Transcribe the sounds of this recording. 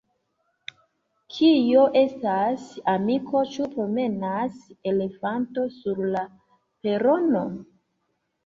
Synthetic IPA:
kʰijo̞ʔe̞stasamikʰo̞t͡ʃupɾo̞me̞nase̞le̞fanto̞suɾla | pe̞ɾo̞no̞

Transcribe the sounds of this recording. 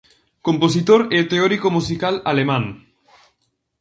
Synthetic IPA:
kompos̬it̪oɾet̪eɔɾikomusikalalemãŋ

